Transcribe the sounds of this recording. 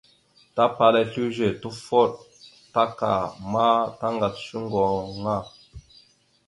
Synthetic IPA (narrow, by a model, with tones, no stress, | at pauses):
ta˦pa˨lɛ˨ɬu˦ʒe˨tu˦fɔ˦˨t̚ | ta˦ka̰˨ma˦ta˦ŋɡa˨t̚ʃu˦ŋɡɔ˨ŋa˦˨